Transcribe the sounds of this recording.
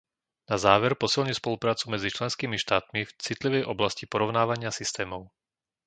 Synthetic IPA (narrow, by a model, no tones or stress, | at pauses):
nazaːʋɛɾpɔsilɲispɔlupɾaːt͡sumɛd͡zit͡ʃlɛnskiːmiʃt̪aːt̪mift͡sit̪liʋɛjʔɔblascipɔɾɔʊnaːʋaɲɪasist̪ɛːmɔʊ